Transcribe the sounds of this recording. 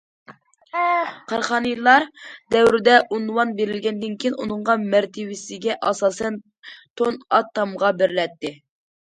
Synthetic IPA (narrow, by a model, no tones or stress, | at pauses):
qʰɑɾχɑːnɨjlˠːɑɾd̪ɛwɾɪd̪ɛʔunwɑnbeɾɪlɡʲɛnd̪ɪnkʲʰijinunɨɴʁɑmæɾt̪ʰɪwɪsɪɡʲɛʔɑsɑːsɛn | t̪ʰonɑt̪ʰːɑmʁɑbɪɾlɛt̪ːɪ